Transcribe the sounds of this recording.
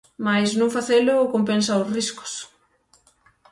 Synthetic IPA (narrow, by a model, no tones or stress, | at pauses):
majsnõŋfaθelʊːkompensaosriskʊ̥s